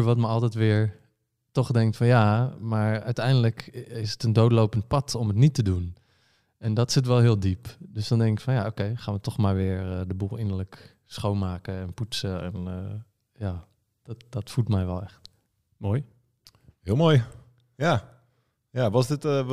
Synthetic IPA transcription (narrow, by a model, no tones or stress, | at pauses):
ɹʋɔtməɑlˠtɛtʋɪəɹ | tɔχdɛŋktfɔnjamaːɹœ̰ɥtɛjndələkɪsətəndowtlowpənt̚pɑtʰɔmətnitədun | ʔɛndɔtsɪt̬ʋɛlˠɦɪːlˠdipdøsdɔndɛŋkɪkfɔnjaokejxaːnʋətɔχmaːɹʋɪːɹdəbulˠɪnəɹlək | sχownmaːkəɛnputsəɛ̰n | jaː | d̥tdɔtfulˠtmɛjʋɛlˠɛxt | moːj | hɪlˠmoːj | ja | jaːʋɔsdɪt